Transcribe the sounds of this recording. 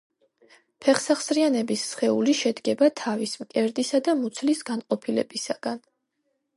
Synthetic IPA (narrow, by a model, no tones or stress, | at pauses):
pʰɛχsaχsɾianɛbisːχɛuliʃɛd̪ɡɛbat̪ʰavismkʼɛɾd̪isad̪amut̪sʰlisɡanqʼɔpʰilɛ̰bisaɡ̥an